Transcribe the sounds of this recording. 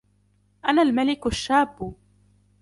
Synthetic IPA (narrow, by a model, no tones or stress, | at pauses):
ʔanaːlmalɪkʊʃːaːbːʊ